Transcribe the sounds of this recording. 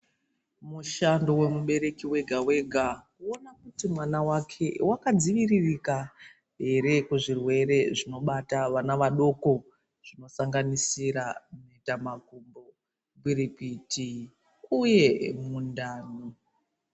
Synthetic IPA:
muʃando̞we̞muɓe̞ɾe̞kiwe̞ɡʱawe̞ɡʱakuo̞nakutimwanawakʰe̞wakad͡ziʋiririka | ɦe̞ɾe̞kuʐirwe̞ɾe̞ʐino̞ɓataʋanaʋaɗo̞ko̞ | ʐ̥ino̞saŋɡanisiɾanoitamaɡʱumbo̞ | ɡwiɾipitʰi | uje̞mundaːno

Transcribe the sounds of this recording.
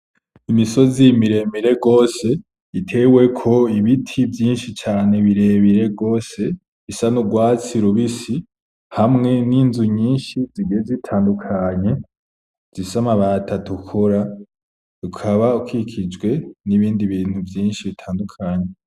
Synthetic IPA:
imiso̞zimiɾe̞miɾe̞ɡo̞ːse̞ | itʰe̞we̞kʰo̞iβitʰivjiːnʃit͡ʃaːne̞βiɾe̞ːβiɾe̞ɡo̞ːse̞ | isanuɡwaːt͡siɾuβisi | hamŋe̞niːnzuɲiːnʃiziɡijezitʰaːndukʰaɲe̞ | z̥isamaβatʰatukʰoɾa | ukʰaβaukikʰid͡ʒɡwe̞niβiːndiβiːn̥huvjiːnʃiβitʰaːndukʰaɲe̞

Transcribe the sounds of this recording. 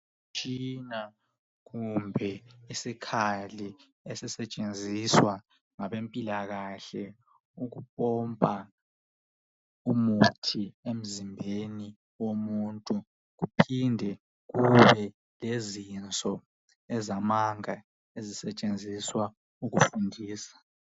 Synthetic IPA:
t͡ʃʼina | ɣumbʱɛisikʰali | esisɛt͡ʃʼend͡zʱiswa | ŋaβempʼilaɣaɬɛ | uɣup̚ʼɔmpʼa | umutʰiem̩zimbʱeni | womuntʼu | ɣupʰindʱɛ | ɣuβɛ | lezint͡sʼɔ | ɛzamaŋa | ezisɛt͡ʃʼend͡zʱiswa | uɣufundʱiːsḁ

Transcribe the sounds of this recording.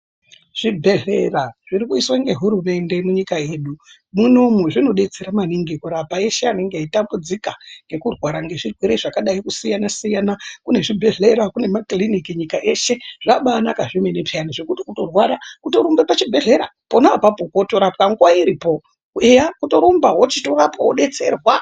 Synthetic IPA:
ʐ̥ibʱe̞ɮe̞raʐ̥iɾikuiswaŋɡe̞ɦuɾume̞nde̞muɲikae̞ːɗu | muno̞muʐino̞ɗe̞d͡zeɾamaniŋɡikuɾapaeʃeane̞ŋɡeitambud͡zikaŋɡe̞kurwaɾaŋɡe̞ʐirweɾeiʐakaɗaikusijanasijanakune̞ʐibʱe̞ɮe̞ɾakune̞maklinikiɲikaʔe̞ʃe̞ʐ̥aɓaːnakaʐimenepʰeaniʐekutikuto̞rwaɾakuto̞ɾombepat͡ʃibʱe̞ɮe̞ɾa̰po̞napapokotoɾapkaŋɡwaiɾipo̞ | ejakuto̞ɾombaɦwo̞t͡ʃitorapawoɗe̞t͡se̞rwa

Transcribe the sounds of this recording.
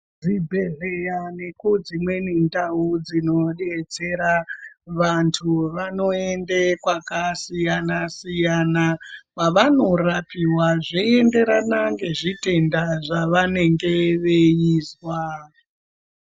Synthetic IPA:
d͡zibʱe̞ɮejane̞kud͡zimwe̞nindaud͡zino̞ɗet͡se̞ɾaʋantʰuʋano̞endekwakasijanasijanapaʋano̞rapiwaʐiende̞ɾanaŋɡe̞ʐite̞ndaʐaʋane̞ŋɡe̞ʋejiːzwa

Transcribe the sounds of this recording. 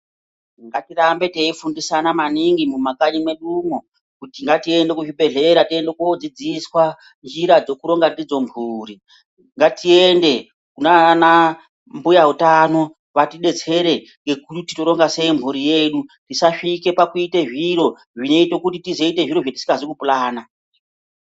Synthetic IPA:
ŋɡatirambe̞teifundisanamaniŋɡimumakaɲimwe̞ɗumo | kutiŋɡatie̞nde̞kuʐiɓe̞ɮe̞ɾatie̞ndekuod͡zid͡ziswa | nd͡ʒiɾad͡zo̞kuɾo̞ŋɡadid͡zo̞mbʱuːɾi | ŋɡatiende̞ | kunana | mbujaɦutano̞ | ʋatiɗe̞t͡se̞ɾe̞ | ŋɡe̞kuti̥toɾo̞ŋɡase̞imbʱuɾije̞ɗutisaʃike̞pakuite̞ʐiɾo̞ | ʐine̞ito̞kutitize̞ite̞ʐiɾo̞ʐati̥si̥ŋɡazikupulaːna

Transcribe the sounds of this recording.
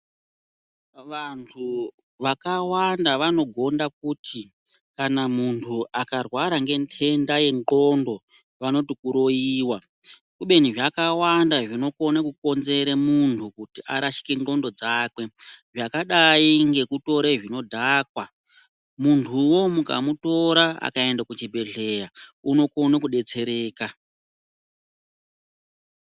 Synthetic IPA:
ʋantʰu | ʋakawandaʋano̞ɡʱo̞ndak̚utʰi | kanamuntʰuʔakarwaɾaŋɡe̞ntʰe̞ndaje̞ŋɡo̞ndo̞ | ʋano̞tikuɾo̞jiːwa | kuɓe̞niʐakawandaʐino̞ko̞nakuko̞nze̞ɾemuntʰukutiʔa̰ɾaʃi̥keŋŋ͡ǃo̞ndo̞d͡zaːkwe̞ʐakaɗaiŋɡe̞kuto̞ɾeʐino̞dʱakwa | muntʰuwo̞muka̰muto̞ɾaa̰kae̞ndakut͡ʃibʱe̞ɮe̞jauno̞ko̞nakuɗe̞t͡se̞ɾe̞ːka

